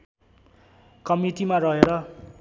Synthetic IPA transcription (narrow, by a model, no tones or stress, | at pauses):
kʌmiʈimarʌɦeɾʌ